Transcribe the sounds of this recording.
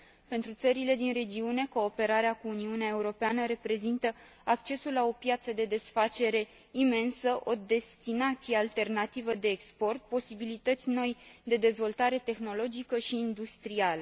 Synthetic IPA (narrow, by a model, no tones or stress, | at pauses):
pe̞nt̪ɾut̪səɾile̞d̪inre̞d͡ʒiune̞ko̞ːpe̞ɾaɾeakuːniuneae̞uɾo̞peanəɾe̞pɾe̞zint̪ə | akt͡ʃe̞sullao̞pjat̪səd̪e̞d̪e̞sfat͡ʃe̞ɾe̞ | ime̞nsəʔo̞d̪e̞st̪inat̪sijealt̪e̞rnat̪ivəd̪e̞ːkspo̞rt̪̚po̞sibilit̪ət̪sʲno̞jd̪e̞d̪e̞zvo̞lt̪aɾe̞t̪e̞xno̞lo̞d͡ʒikəʃiːnd̪ust̪ɾialə